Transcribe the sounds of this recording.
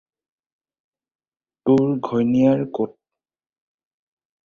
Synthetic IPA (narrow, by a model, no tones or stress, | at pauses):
tʊɹɡʱɔjnijaɹkot̚